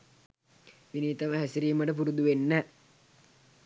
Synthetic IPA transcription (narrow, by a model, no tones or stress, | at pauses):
ʋiniːt̪ɐməɦæsiɾiːməʈəp̬uɾud̪uʋenːæ